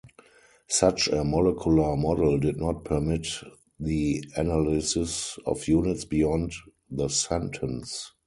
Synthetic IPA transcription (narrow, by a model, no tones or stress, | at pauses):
sat͡ʃəmɔlɛkʰjulə˞mɔdldɪdnɔt̚pʰə˞mɪt | ðiænalɪsɪsɔ̰fjuːnɪtsbijɔ̃nd | ðəsɛ̃ntʰə̃ns